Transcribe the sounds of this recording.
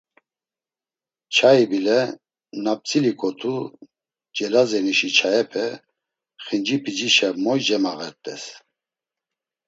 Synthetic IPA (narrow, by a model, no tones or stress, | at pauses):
t͡ʃʰaibilɛ | nap̚t͡sʼilikʼɔt̪ʰu | d͡ʒɛlazɛniʃit͡ʃʰajɛpʰɛ | χind͡ʒipʰid͡ʒiʃɛmɔjd͡ʒɛmaɣɛ̰ɾt̪ʼɛ̰s